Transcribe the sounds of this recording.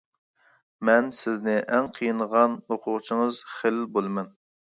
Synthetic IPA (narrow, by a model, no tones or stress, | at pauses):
mɛnsɪznɪʔɛŋqʰijɨnʁɑnhoqʰʊʁt͡ʃʰiŋəzχelbolˠmɛn